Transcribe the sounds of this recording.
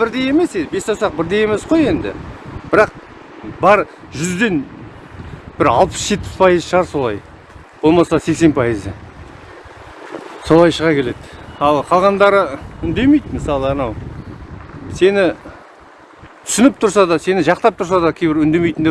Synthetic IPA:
bɪɾd̪e̞je̞me̞sebe̞st̪ɑwsɑq̚bɪɾd̪e̞je̞me̞sqo̞je̞nd̪ɪ̰bɪɾɑq̚ | bɑɾ | ʒʏzd̪e̞n | b̥ɪɾɑlˠpə̥sʒ̥e̞t̪̚pɪ̥spʰɑjəzʃəʁɑɾso̞lˠɑj | b̥o̞lˠmɑsɑse̞kse̞npʰɑjəzə | so̞lˠɑjʃəʁɑkʲʰe̞le̞d̪ɪɑlˠqʰɑlˠʁɑnd̪ɑɾəʏnd̪e̞mejd̪məsɑlˠəɑnɑw | se̞nɪ | t̪ʰʏ̥sɪnɪp̚t̪ʰʊɾsɑd̪ɑse̞nɪʒɑqt̪ɑp̚t̪ʰʊɾs̬ɑd̪ɑkʲʰejbɪɾʏnd̪e̞mejt̪ɪnd̪e

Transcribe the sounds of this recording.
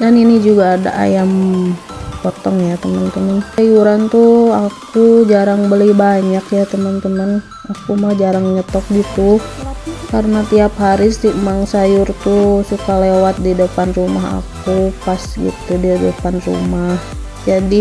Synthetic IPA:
daninid͡ʒuɡaːda̰ʔa̰jam | pɔt̪ɔŋjat̪əmənt̪əmənajuɾant̪uakud͡ʒaɾaŋbəlibaɲakjat̪əmənt̪əman | akumad͡ʒaɾaŋɲət̪ɔk̚ɡit̪u | karnat̪iapɦaɾisimaŋsajʊrt̪usukalewat̪̚didəpanrumaɦa̰kupasɡḭt̪udidəpanrṵmah | d͡ʒadi

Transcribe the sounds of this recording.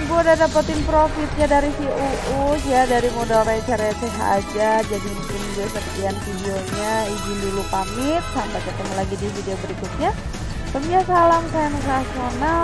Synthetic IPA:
ŋbuadadapət̪ɪnpɾofɪt̪̚ɲadaɾisiʔuʔujadaɾimodoɾat͡ʃaɾasɛɦa̰ːd͡ʒad͡ʒadimpʊndasət̪ianfideoɲaid͡ʒindilupamɪt̪̚sampakət̪əmalaɡidifideobəɾikut̪̚ɲa | səmiasalamsajanəs̬aːsona

